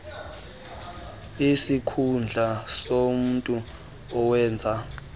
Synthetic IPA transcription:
isikʰund͡ɮʱasom̩ːntʼu | ɔwɛːnd͡zʱa

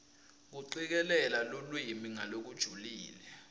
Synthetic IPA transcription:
k̬uǀik̬ɛlɛlalolwimiŋa̰lok̬ud̥ʒ̥ʱuliːlɛ

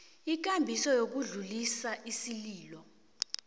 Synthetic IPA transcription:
ik̬ʼambʱisɔjok̬uɮulisaʔisiliːlɔ

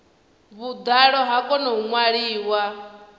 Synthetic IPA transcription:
βud̪aɺɔɦakʼɔnɔuŋwaɺiːwa

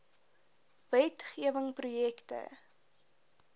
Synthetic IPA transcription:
vɛtχiəvəŋprujɛktə̰

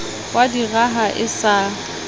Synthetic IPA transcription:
wadiraɦaʔɪsa

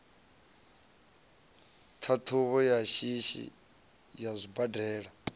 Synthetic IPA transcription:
tʰatʰuβɔjaʃiʃḭ | jazʷibadɛːɺa

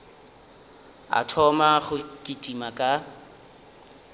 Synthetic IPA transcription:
a̰tʰɔmaχʊkʼitʼimakʼa

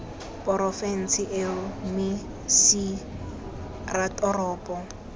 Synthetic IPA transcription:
pʼɔɾɔfɛn̩sɪʔɛmɪ | si | ratʼɔrɔːpʼɔ

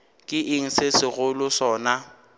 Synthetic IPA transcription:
kʼɪʔɪŋ̩sɪsɪɣʊlʊsɔːna

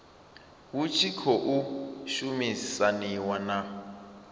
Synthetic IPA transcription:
wut͡ʃʰikʰɔʔuʃumisaniwana

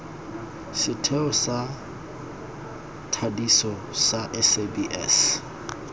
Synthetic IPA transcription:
sɪtʰɛɔsa | tʰadisɔsaʔɛsebiʔɛ̰s

